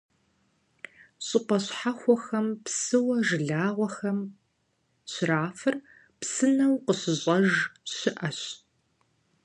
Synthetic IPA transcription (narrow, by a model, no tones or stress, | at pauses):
ɕʼɪqʷɐɕħaxʷɔxɐmpsɨwɐʒɨɮaːʁʷɔxɐm | ɕraːfɨr | psɨnɐwqəɕɪɕʼɐʒɕɪʔɐɕ